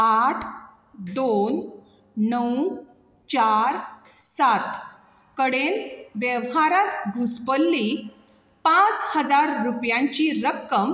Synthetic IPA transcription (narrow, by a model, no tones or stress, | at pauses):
aʈʰ | d̪on | nəw | t͡ɕaɾ | sat̪ | kəɽenʋjəʋɦaɾat̪ɡʱuspəlːi | pãt͡shəd͡zaɾːupjãɲt͡ɕiɾəkːəm